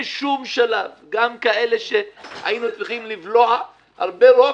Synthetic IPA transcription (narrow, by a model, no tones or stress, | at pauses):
ʃumʃalavɡamkae̞le̞ʃeha̰jinut͡sʁiχimlivlo̞a | ha̰ʁbeʁo